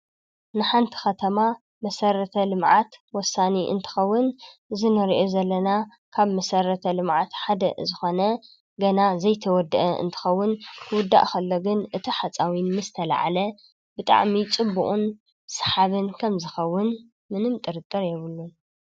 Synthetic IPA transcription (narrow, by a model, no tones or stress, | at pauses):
nɨħant̪ʰi̥xɐt̪ʰɐma | mɐsɐɾɐt̪ʰɐlɨmʕat̪wɔsːaniʔɨ̰nt̪ʰɨ̥xɐwːʊnzɨnɐɾʔozɐlːɐna | kʰaβmɐsɐɾɐt̪ʰɐlɨmʕat̪ħad̪ɐzɨxo̞nɐ | ɡɐnazɐjt̪ʰɐwɔd̪ɨʔɐʔɨ̰nt̪ʰɨ̥xɐwːʊnkʰwʊd̪ːa̰ʔxɐlːoɡɨnʔɨt̪ʰiħat͡sʼawinmɨzt̪ʰɐla̰ʕa̰lɐ | bɨt̪ʼa̰ʕmit͡sʼɨbːuʔʼun | sħaβɨnkʰɐmzɨxɐwːʊn | mɨnɨmt̪ʼɨɾɨt̪ʼːɨɾjɛβɨlːun